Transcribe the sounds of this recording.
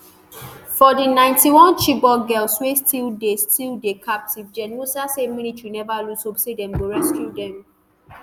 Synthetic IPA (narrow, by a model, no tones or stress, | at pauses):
fɔdinãɪ̃ntiwɔ̃nt͡ʃibɔɡɛlswestʰildestildekʰap̚tivd͡ʒɛnosaseminitɹinɛvalusobsedɛ̃mɡoɹɛskjudɛ̃m